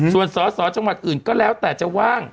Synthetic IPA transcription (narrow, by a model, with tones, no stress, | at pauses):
su˨˩ənsɔː˩˦sɔː˨˦t͡ɕa˧ŋwa˨˩t̪̚ʔɯː˨˩nkɔː˥˩lɛː˦˥wt̪ɛː˨˩t͡ɕa˨˩waː˥˩ŋ